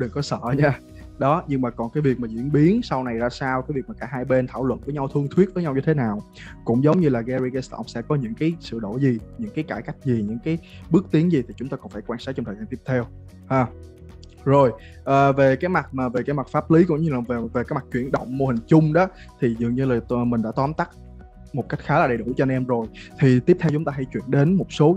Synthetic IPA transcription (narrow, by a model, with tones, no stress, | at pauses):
ɗɨ˨˩ŋkɔ˨˦sə̰ː˧˨ɲaː˧ | ɗɔ˨˦ɲɨ˧ŋmaː˨˩kɔ˨˩nkaː˨˦jvi˨˩ək̚maː˨˩zḭ˧˥ənɓi˨˦ənsa˧wna˨˩jzaː˧saː˧wkaː˨˦jvi˨˩əmaː˨˩kaː˧˩haː˧jɓe˧nt̪ʰaː˧˩wlwə̰˧˨nvəː˨˦jɲa˧wt̪ʰɨ˧əŋt̪ʰwi˦˥ət̚və˨˦ɲa˧wɲɨ˧t̪ʰe˨˦naː˨˩w | kʊ̰˧˥ŋ͡mzə˨˦wŋ͡mɲɨ˧laː˨˩ɣɛ˧zi˧ɣɛ˧st̪ɔ̰˧sɛ̰˧˥kɔ˨˦ɲɨ̰˧˥ŋkaː˨˦jsɨ̰˧˨ɗo˧˩zi˨˩ɲɨ̰˧˥ŋkaː˨˦jkaː˧˩jka˦˥jk̟̚zi˨˩ɲɨ̰˧˥ŋkaː˨˦jɓɨ˦˥k̚t̪i˨˦əŋzi˨˩t̪ʰi˨˩t͡ɕʊ˨˦ŋ͡mt̪aː˧kɔ˨˩nfaː˧˩jkwaː˧nsaː˦˥k̚t͡ɕɔ˧ŋ͡mt̪ʰəː˨˩zaː˧nt̪i˦˥pt̪ʰɛ˧w | haː˨˩ | zo˨˩j | ʔəː˨˩ve˨˩kaː˨˦jma˨˩t̚maː˨˩ve˨˩kaː˨˦jma˨˩t̚faː˦˥p̚li˨˦kʊ̰˧˥˦ŋ͡mɲɨ˧laː˨˩ve˨˩ve˨˩kaː˨˦jma˨˩k̚t͡ɕwi˧˩ənɗə̰˧˨wŋ͡mmo˧hï˨˩ŋ̟t͡ɕʊ˧ŋ͡mɗɔ˨˦t̪ʰi˨˩zɨ̰˧˨əŋɲɨ˧laː˨˩mï˨˩ɗa̰ː˧˥t̪wɔ˨˦mt̪a˦˥k̚ | mo˨˩t̚ka˦˥jk̟̚xaː˨˦laː˨˩ɗə˨˩jɗu˧˩t͡ɕɔ˧nʔɛ˧mzo˨˩jt̪ʰi˨˩t̪i˦˥p̚t̪ʰɛ˧wt͡ɕʊ˨˦ŋ͡mt̪aː˧ɦa˧˩jt͡ɕwi˧˨ənɗe˨˦nmo˨˩t̚so˨˦